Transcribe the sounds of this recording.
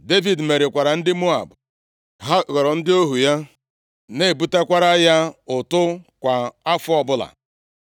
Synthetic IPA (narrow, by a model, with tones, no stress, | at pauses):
de˦vi˨dme˨ɾɪ˨kʷa˨ɾa˨n̩˦dɪ˦mo˦a̰˨b | ɦa˦ɣɔ˨ɾɔ˨n̩˦dɪ˦o˦ɦu˨ja˦ | ne˨bu˦ta˦kʷa˦ɾa˦ja˦ʊ˨tʊ˦kʷa˨a˦fʊ˦ɔ˨bʊ˦la̰˨